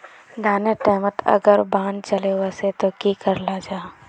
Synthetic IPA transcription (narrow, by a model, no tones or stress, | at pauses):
d̪ʱaːneʈɛːmət̪ɐ̰ɡəɾbãːnt͡ʃəlewaset̪okikəɾlad͡ʒaː